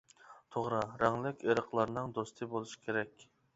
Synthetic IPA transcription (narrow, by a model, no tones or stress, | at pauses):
t̪ʰoʁɾɑɾɛŋlɪkʲʰeɾəqʰlˠɑɾnɨŋd̪ost̪ʰɨbolˠuʃi̥kʲʰeɾɛkʲ